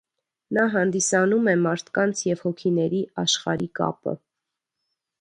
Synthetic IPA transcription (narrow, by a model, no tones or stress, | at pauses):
nɑɦɑnd̪isɑnumɛmɑɾt̪ʰkɑnt͡sʰjɛv̥hɔkʰinɛɾiɑʃχɑ̰ɾikɑ̰pə̰